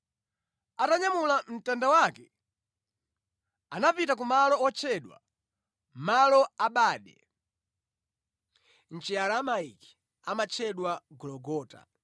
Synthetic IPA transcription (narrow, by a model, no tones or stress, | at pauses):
ataɲamulam̩tandawakɛ | anapitak̬umalɔɔt͡ʃʰɛɗwa̰ | malɔaɓaːɗɛ | n̩t͡ʃiaɾamaiki̥ | amat͡ʃʰɛɗwaɡɔlɔɡɔːta̰